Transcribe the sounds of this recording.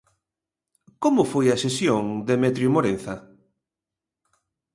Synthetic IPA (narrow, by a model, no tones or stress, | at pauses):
komʊfojɐsesjoŋd̪emɛt̪ɾjumoɾen̟θɐ